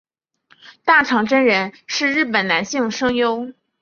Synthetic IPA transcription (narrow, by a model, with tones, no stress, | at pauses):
t̪a˥˩ʈ͡ʂʰɑ˧˥ŋʈ͡ʂə˥nɻə˧˥nʂɻ̩˥˧ɻɻ̩˥˩pə˨˩nna˧˥nɕi˥˩ŋʂɤ˥ŋjo˥ʊ